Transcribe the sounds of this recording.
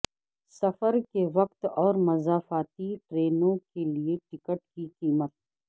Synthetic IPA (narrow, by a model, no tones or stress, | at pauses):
sɐfəɾkeʋɐqt̪ɔːɾmɐzaːfaːt̪iʈɾeːnõkelieʈɪkəʈkiqiːmət̪̚